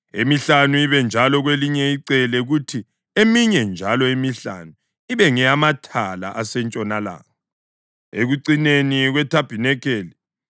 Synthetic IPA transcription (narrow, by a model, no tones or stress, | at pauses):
ḛmiɬanuiβɛnd͡ʒʱalɔɣweliɲɛiǀɛlɛɣutʰi | emiɲɛnd͡ʒʱalɔemiɬa̰nu | iβɛŋɛamatʰala̰ʔasɛnt͡ʃʼɔnala̰ːkɔ | eɣuǀineniɣwɛtʰab̥ʱinɛkeːli